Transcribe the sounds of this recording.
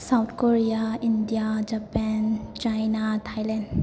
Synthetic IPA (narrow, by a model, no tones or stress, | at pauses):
sawt̪ʰkoɾijaindijad͡ʒapɛnt͡ʃajnatʰajlɛnd